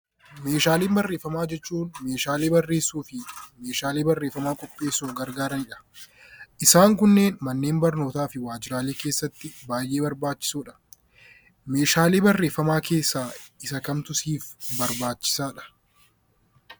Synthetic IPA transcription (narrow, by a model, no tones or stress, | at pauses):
me̞ːʃaːleːmbɐrːe̞ːfːɐmaːd͡ʒɛt͡ʃːuːnmeːʃaːleːbɐrːe̞ːsːuːfɪme̞ːʃaːleːbɐrːeːfɐmaːkʼɔpʼːe̞ːsːoːɡɐɾɡaːɾɐnɪᶑɐ̥ | ʔɪsaːŋk̬ʊnːe̞ːnmɐnːe̞ːmbɐɾno̞ːt̪aːfɪwaːd͡ʒɪɾaːleːkeːsːɐt̪ːɪbaːjʔe̞ːbɐɾbaːt͡ʃːɪ̥suːᶑɐ̥ | me̞ːʃaːleːbɐrːe̞ːfːɐmaːke̞ːsːaːɪsɐkɐmt̪ʊsiːfbɐɾbaːt͡ʃːɪ̥saːᶑɐ̥